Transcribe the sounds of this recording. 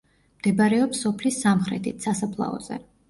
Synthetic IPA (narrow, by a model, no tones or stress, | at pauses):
md̪̥ɛbaɾɛɔpsɔpʰlisːamχɾɛ̰t̪ʰit̪ʰsasapʰlˠa̰ɔ̰zɛ̰